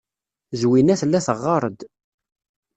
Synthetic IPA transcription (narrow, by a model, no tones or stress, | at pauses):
zwinæθəlːæθəʁːɑɾˤəd̪